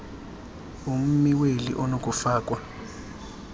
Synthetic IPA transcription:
um̩miwelḭʔɔnokʼufaːkʼwa

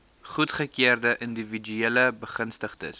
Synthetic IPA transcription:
χutχəkiərdəʔəndivid͡ʒyeləbəχənstəχtə̰s

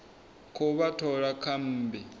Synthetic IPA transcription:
kʰuβatʰɔɺakʰam̩ːbi

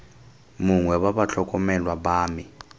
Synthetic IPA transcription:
muŋwɛwaβaɬʰɔkʼɔmɛlwabaːmi

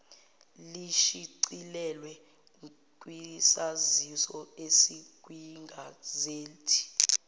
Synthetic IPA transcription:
liʃiǀilɛlwɛ | k̬ʼwisazisɔesiɡ̥ʱʼwiŋɡʱazeːltʰi̥

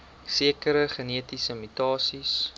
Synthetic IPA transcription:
siəkəɾəχəniətisəmytɑːsis

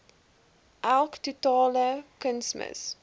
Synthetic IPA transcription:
ʔalktutɑːləkənsmə̰s

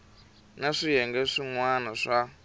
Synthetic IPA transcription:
naʂijɛŋɡɛʂiŋwanaʂa

